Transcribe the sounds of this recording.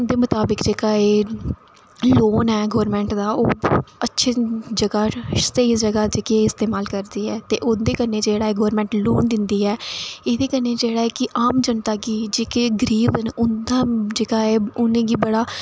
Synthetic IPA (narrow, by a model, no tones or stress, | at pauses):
d̪eːmʊt̪aːbɪkd͡ʒeːkaːeː | loːnɛːɡoːɾmɛ̃ːɳʈd̪aːoːətːʃʰeːd͡ʒəɡaːseid͡ʒəɡaːd͡ʒeːkieɪst̪eːmaːlkəɾd̪iːɛːt̪ḛːʔʊnd̪eːkəneːd͡ʒeːɽaːeːɡoːɾmɛ̃ːɳʈloːnd̪ɪnd̪iːɛːeːd̪eːkəneːd͡ʒeːɽaːɛːkɪʔaːmd͡ʒənt̪aːɡiːd͡ʒeːkeːɡəɾiːbənʊnd̪aːd͡ʒeːkaːeːʊnẽːɡiːbəɽaː